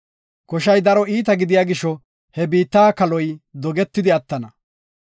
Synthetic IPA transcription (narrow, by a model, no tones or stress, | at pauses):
kɔʃɐjd̪ɐɾɔiːt̪̬ɐɡɪd̪ɪjaːɡɪʃɔ | hɛbiːt̪ːaːkɐlɔjd̪ɔɡɛt̪ːɪd̪ɪɐt̪ːɐnɐ